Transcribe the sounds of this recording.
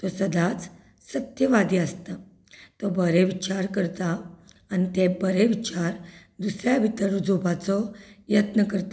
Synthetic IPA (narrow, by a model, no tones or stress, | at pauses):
t̪ɔsəd̪ʱat͡s | sət̪jəʋad̪ʱiəst̪a | t̪ɔbəɾeʋit͡ɕaɾkəɾt̪aː | nit̪ebəɾeʋit͡ɕaɾ | d̪usɾjabʱit̪əɾud͡zʱubat͡sɔjət̪nəkəɾt̪